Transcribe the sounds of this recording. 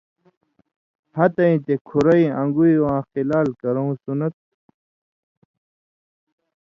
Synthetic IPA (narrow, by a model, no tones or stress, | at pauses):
hɐt̪ɐĩt̪ekʰuɾɐiɐ̃ŋɡuiwãːxilaːlkɐɾow̃sunɐt̪̚